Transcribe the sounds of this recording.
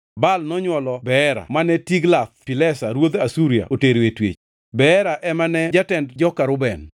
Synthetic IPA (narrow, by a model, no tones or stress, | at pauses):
balnɔɲwɔlɔbɛɛɾa̰manɛtiɡlat̪̚pilɛsaɾwod̪asuɾia̰ʔoteɾwetwḛt͡ʃ | bɛɛɾaʔɛmanɛd͡ʒatɛndd͡ʒɔkaɾʊbɛn